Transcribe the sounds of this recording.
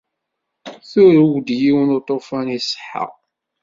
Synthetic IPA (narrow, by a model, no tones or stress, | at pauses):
θuɾuwd̪jiwnot̪ˤːofænisˤə̥ħə̰ʁ